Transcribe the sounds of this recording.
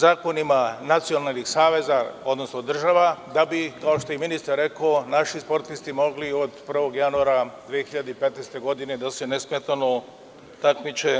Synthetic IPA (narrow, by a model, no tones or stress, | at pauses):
zaːko̞nimanat̪sio̞nalˠnixsaːʋe̞zao̞d̪no̞snod̪r̩ʒaʋad̪abikao̞ʃt̪o̞jeminist̪aɾːe̞konaʃispo̞ɾt̪ist̪imo̞ɡlio̞d̪pr̩ʋo̞ɡjanuaɾad̪ʋijexiʎad̪eipe̞t̪nejst̪e̞ɡo̞d̪ine̞d̪ase̞nesmet̪ano | t̪akmit͡ʃe